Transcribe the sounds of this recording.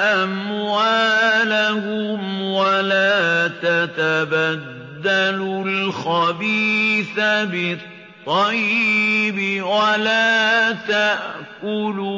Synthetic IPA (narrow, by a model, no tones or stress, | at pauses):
ʔamwaːlahʊmwalaːt̪at̪abad̪ːalʊlxabiːθabɪt̪ˤːɑjːbɪwalaːt̪aʔkʊlu